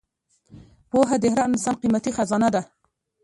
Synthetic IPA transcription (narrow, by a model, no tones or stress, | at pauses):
poɦad̪ɪhɾaɪnsɑnqimat̪ixazɑnad̪a